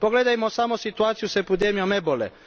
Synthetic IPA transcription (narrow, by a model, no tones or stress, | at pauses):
poɡle̞d̪ajmosamosit̪uaːt̪sijusepid̪emijomebolḛ